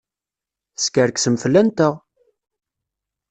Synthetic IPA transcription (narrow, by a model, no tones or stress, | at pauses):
θskəɾksəmflːænt̪əʁ